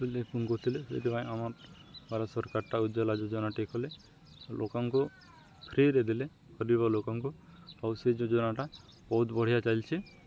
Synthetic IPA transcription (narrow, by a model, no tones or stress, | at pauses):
kulepunɡot̪ʰilepḛt̪ipãj̃amaɾbʱaɾasɔɾkaɾʈaud͡ʒɔlad͡ʒɔd͡ʒɔnaʈekʰɔle | lʔokɔŋku | pʰɾiɾed̪ile | kɔɾibalokɔŋkuawsed͡ʒɔd͡ʒɔnaʈa | bɔɦut̪bɔɽ̤ijat͡ʃajlt͡ʃʰi